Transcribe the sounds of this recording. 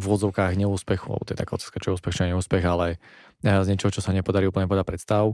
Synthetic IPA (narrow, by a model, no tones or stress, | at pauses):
vʊɔd̪zɔʊkaːɣɲɛuːspɛxua̰ɛ̰bɔt̪ɔɛt̪a̰kaɔt̪ḁːskat͡ʃɔjɛuːspɛxt͡ʃɔɛɲɛuːspɛɣalɛ | zɲɛt͡ʃɔɦɔt͡ʃɔsaɲɛpɔd̪aɾiuːpl̩ɲɛp̬ɔɛd̪apɾɛt̪st̪aʊ